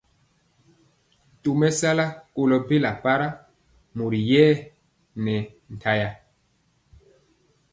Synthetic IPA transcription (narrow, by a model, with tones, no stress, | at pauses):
tu˨mɛ˦sa˦la˦ko˨lɔ˨be˦la˨pa˦ɾa˦ | mu˨ɾi˨jɛː˦ | nɛ˨ | n̩˨tʰa˦ja˨